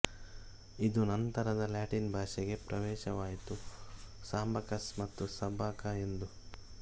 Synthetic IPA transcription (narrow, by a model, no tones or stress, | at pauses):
id̪unɐnt̪ɐɾɐd̪ɐljaːʈinbʱaːʃɛɡe̞pɾɐʋɛːʃɐʋaːjit̪usaːmbɐkɐsmɐt̪ːusɐbʱaːkae̞nd̪u